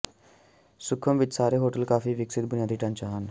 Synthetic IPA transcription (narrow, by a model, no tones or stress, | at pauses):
sʊkʰːəmʋɪt̪saːɾeɦoːʈəlkaːfiːʋɪksɪt̪̚bʊnjaːd̪ʱiːʈãnt͡ɕaɦan